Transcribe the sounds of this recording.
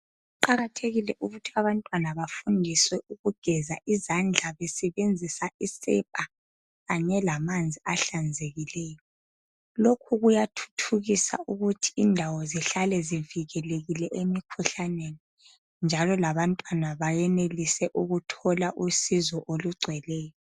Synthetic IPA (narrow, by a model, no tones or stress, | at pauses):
uǃaɣatʰeɣilɛʔuɣutʰiaβantʼwanaβafundʱiswɛʔuɣuɡ̥ʱɛzaʔizand͡ɮʱaβɛsɛβend͡zʱisaisɛpʼa | ɣaɲɛlamand͡zʱiaɬand͡zʱeɣilɛːjɔ | lokʰuɣujatʰu̥tʰuɣisa̰ʔuɣutʰi̥indʱawɔziɬalɛziviɣɛleɣilɛʔemikʰuɬaneni | nd͡ʒʱalɔlaβantʼwanaβajɛnelisɛʔuɣutʰɔlaʔusizɔʔoluɡ͡ǀʱwɛlɛːjɔ